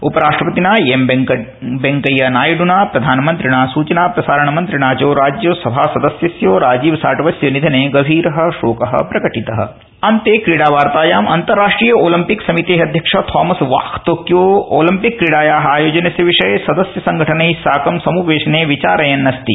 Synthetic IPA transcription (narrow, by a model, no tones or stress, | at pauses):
upɐɾaːʂʈɾɐpɐt̪inaːjemb | beŋkɐjanaːjɐɖunaːpɾɐd̪ʱaːnɐmɐnt̪ɾiɳ̃aːsuːt͡ʃɐnaːpɾɐsaːɾɐɳ̃ɐmɐ̃nt̪ɾiɽaːt͡ʃoːɾaːd͡ʒjoːsɐbʱaːsɐd̪ɐsjɐsjoːɾaːd͡ʒiːʋsaːʈɐʋɐsjɐnid̪ʱɐneːɡɐbʱiːɾɐɦɐ̆ʃoːkɐɦɐ̰pɾɐkɐʈit̪ɐɦɐ̰̆ | ɐnt̪eːkɾiɽaːʋaːɾt̪aːjaːmɐnt̪ɐɾːaːʂʈɾiːjɐoːlɐmpiksɐmit̪eːɦɐd̪ʱjɐkʂɐt̪ʰɔːmɐsʋa̰ːxt̪oːkjoːoːlɐmpikːɾiɽaːjaːɦaːjoːd͡ʒɐnɐsjɐʋiʂɐjsɐd̪ɐsjɐsɐŋɡʱɐʈʰɐnɐɦisaːkɐmsɐmuːʋeːʃɐneːʋit͡ʃaːɾɐjɐnːɐst̪i